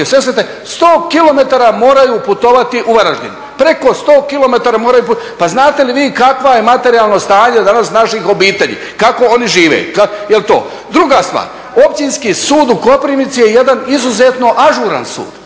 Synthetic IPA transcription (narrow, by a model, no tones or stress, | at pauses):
sʋesɾet̪e | st̪oːkilˠo̞me̞t̪aɾamo̞ːɾajuːput̪o̞ʋat̪iʔuʋaɾaʒɲḭni | pɾe̞ko̞st̪o̞ːkilˠo̞me̞t̪aɾamoːɾajupupaznaːt̪e̞liʋiːkakʋaje̞mat̪e̞ɾijalˠno̞st̪aːɲed̪anasnaʃixo̞biːt̪eʎḭːkako̞o̞niʒiːʋḛj̰kajelt̪o̰ː | d̪ɾuɡast̪ʋa̰ːɾ | o̞pt͡ɕinskisuːd̪uko̞pɾimit̪sije̞je̞d̪anizuze̞t̪no̞ʔaʒuɾa̰nsṵːd̪̥